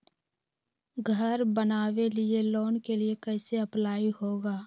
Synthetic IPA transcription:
ɡʱəɾbənaːwelɪeloːnkeliekɛɪseəplaːihoːɡaː

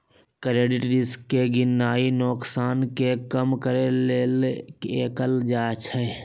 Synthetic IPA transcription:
kəɾeːɖɪʈɾɪskːeɡɪnːaːinɔːksaːnkekəmkəɾelelkeːkəld͡ʒaːt͡ʃʰɛː

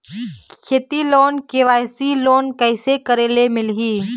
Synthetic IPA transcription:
kʰeːt̪iloːnkeʋaːjsiloːnkəɪsekəɾeːlemɪlɦiː

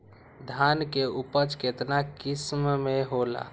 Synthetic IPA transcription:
d̪ʱankeupət͡ʃket̪nakismmeɦola̰

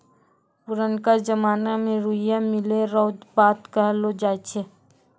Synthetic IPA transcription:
pʊɾənkad͡ʒəmaːnamẽɾuɪjamɪleɾɔːd̪baːt̪kəɦlod͡ʒaːt͡ʃʰe

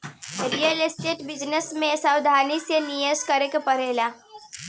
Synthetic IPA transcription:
ɾijəlesʈeʈbid͡ʒnesmesawd̪ʱanisjenijəskəɾekepəɾela

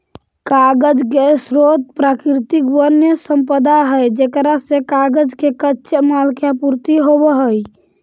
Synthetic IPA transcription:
kaɡəd͡ʒkesɾot̪̚pɾakɾt̪ikbənjəsəmpəd̪aɦəjd͡ʒekɾasẽkaɡəd͡ʒkekətːʃʰemalkjapuɾt̪iɦobəɦəj

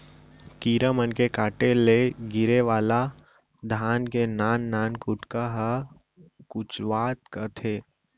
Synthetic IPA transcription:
kiːɾəmənkekaːʈeleɡɪɾeʋaːla | d̪ʱaːnkenaːnːaːnkʊʈkaɦə | kʊt͡ʃʋaːt̪kət̪ʰeː

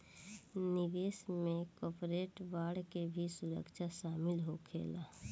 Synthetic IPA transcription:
nɪʋeːsmẽkɔːpɾeːʈʋaːɽkebʱisʊɾə̰kʃaʃaːmɪlɦokʰḛːla

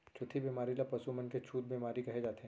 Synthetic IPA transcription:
t͡ʃʰʊt̪ʰibiːmaːɾilapɐsumənket͡ʃʰuːt̪̚biːmaːɾikɐɦed͡ʒaːt̪eɦɛ̃

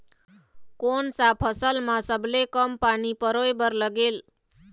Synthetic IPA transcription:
konsapʰəsəlmãsəblekəmpanipəɾojbəɾləɡel

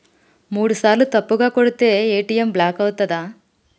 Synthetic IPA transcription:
muːɽusaːlut̪ɐpːuɡaːkoɽut̪ːeːeːʈijɐmblaːkɐʋut̪ːɐd̪aː

